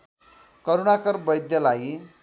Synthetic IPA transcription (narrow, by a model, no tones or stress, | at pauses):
kʌɾuɽakʌɾbʌjd̪jalaɡi